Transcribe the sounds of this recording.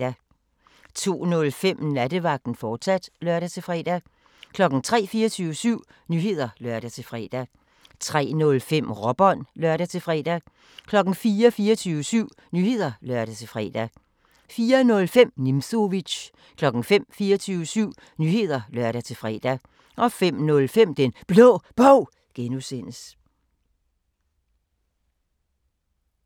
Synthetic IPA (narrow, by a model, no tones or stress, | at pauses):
æ | t͡sʰo̝̰ːnɔ̽lfem̰næd̥əʋɑ̈ɡ̥̚d̥n̩fɒ̥ːsæd̥lɶɐɾ̥æt͡sʰe̝lfʁɛːd̥æ | kʰlɒ̽ɡ̥n̩t͡sʰʁɛ̰ːfiːɐt͡sʰyːʊəsyʊ̰ | nyːɦe̝ð̞̰ˠɐlɶɐɾ̥æt͡sʰe̝fʁɛ̰ːd̥æ | t͡sʰʁɛ̰ːnɔ̽lfem̰ʁɒb̥ɒ̽nlɶɐ̰ɾ̥æt͡sʰe̝fʁɛ̰d̥æ | kʰlɒ̽ɡ̥n̩fiːɐfiːɐt͡sʰyːʊəsyʊ̰ | nye̝ð̞̰ˠɐlɶɐ̰ɾ̥æt͡sʰe̝fʁɛ̰ːd̥æ | fiːɐnɔ̽lfem̰nimso̝ʋid̥ɕ | kʰlɒ̽ɡ̥n̩fem̰fiːɐt͡sʰyːʊəsyʊ̰ | nyːhe̝ð̞̰ˠɐlɶɐ̰ɾ̥æt͡sʰe̝fʁɛ̰ːd̥æ | ʔɒ̽fem̰nɔ̽lfem̰d̥enb̥lɔ̰ːb̥ɔʊ̰ | ɡ̥enusen̰əs